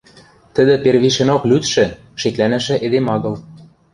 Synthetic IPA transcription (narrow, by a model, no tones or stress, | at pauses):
t̪ə̆d̪ɘ̆perβiʃĕnoklyt̪ʃɘ̆ | ʃeklænæ̆ʃɘ̆ʔed̪emɑɣɤ̆l